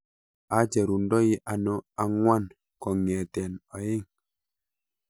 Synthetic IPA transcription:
a˨˦t͡ʃɛ˨ɾu˨ndɔ˦ji˦ʔa˨nɔ˦a˨ŋwa˦n | kɔ˨ŋɛ˨tɛ˨nɔ˨je˦ŋ

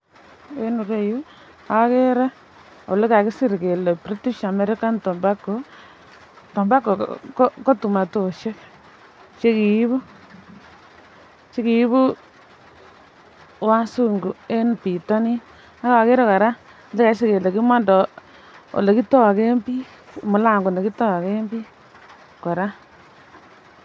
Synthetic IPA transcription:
e˦nu˨ɾe˦ju˦ | a˦ke˦ɾɛ˦ | o̰˨le˦ka˨kɪ˦si˦ɾke˨lɛ˨pɾe˦tu˦ʃa˨me˨ɾe˦ka˦ntɔ˨mba˦ko˨ | tɔ˨mba˦ko˨kko˦tu˨ma˨to˨ʃe˦k | t͡ʃe˦ki˨i˦βu˦ | t͡ʃe˦ki˨i˦βu˦ | wa˦su˦ŋɡu˨e˦npi˨tɔ˦ni˦ | a˦ka˨ke˦ɾe˦ka˨ɾa˦ | nde˦ka˨˦ʃe˦ke˨le˨ki˦ma˦ndɔ˨ | o̰˨le˨ki˦tɔ˦wa˨ke˦mbi˦ | mʊ˨la˦˨ŋɡo˨ne˨ki˦tɔ˦wa˨ke˦mbi˦ | ka˨ɾa˦

